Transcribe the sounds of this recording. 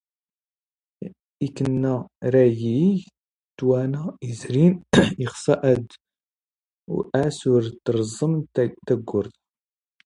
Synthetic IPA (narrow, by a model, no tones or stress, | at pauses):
ikːənːæɾæji | d̪̥wænæizɾiniχsˤɑʔəd̪ | ʔæsʊɾt̪ːɾˤzˤːəmt̪æɡːʊɾθ